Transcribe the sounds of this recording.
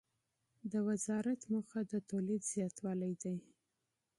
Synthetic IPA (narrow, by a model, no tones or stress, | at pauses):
d̪əwazɑɾat̪məxad̪ət̪olid̪z̥jɑt̪wɑlajd̪aj